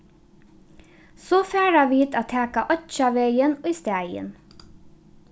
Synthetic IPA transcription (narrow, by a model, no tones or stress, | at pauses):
soːfæːɹɑʋiːt̪ʰɑt̪ʰhæːkɑʔɔʃɑʋeɪənoiːst̪æɪə̰n